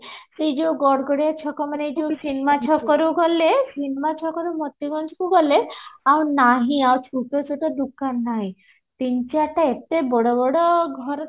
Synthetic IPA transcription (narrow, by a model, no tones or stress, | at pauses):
sed͡ʒewɡɔɽɡɔɽijat͡ʃʰɔkɔmaned͡ʒewsinmat͡ʃʰɔkɔɾuɡɔlesinmat͡ʃʰɔkɔɾumɔt̪ːiɡɔnt͡ʃʰɔkuɡɔleawnaɦĩawt͡ʃʰuʈɔt͡ʃʰuʈɔd̪ukanːaɦĩ | t̪iɲt͡ʃaʈaet̪ebɔɽɔbɔɽɔɡʱɔɾ